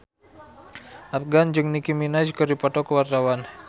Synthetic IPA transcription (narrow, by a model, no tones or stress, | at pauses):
ʔafɡand͡ʒɨŋnikiminad͡ʒkərdipɔt̪ɔkəwart̪awan